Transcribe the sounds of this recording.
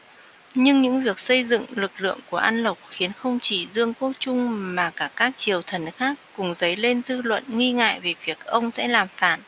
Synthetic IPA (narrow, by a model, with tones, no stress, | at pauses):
ɲɨ˧ŋɲɨ̰˧˥ŋvi˨˩ək̚sə˧jzɨ̰˧˨ŋlɨ˨˩k̚lɨ̰˧˨əŋku˧˩əʔa˧nlə˨˩wk͡p̚xi˨˦ənxə˧wŋ͡mt͡ɕi˧˩zɨ˧əŋko˧˦˥t͡ɕʊ˧ŋ͡mmaː˨˩kaː˧˩kaː˦˥k̚t͡ɕi˨˩əwt̪ʰə˨˩nxaː˦˥kːʊ˨˩ŋ͡mzə˨˦jle˧nzɨ˧lwə̰˧˨nŋi˧ŋa̰ː˧˨jve˨˩vi˨˩ək̚ʔə˧wŋ͡msɛ̰˧˥laː˨˩mfa̰ː˧˩˨n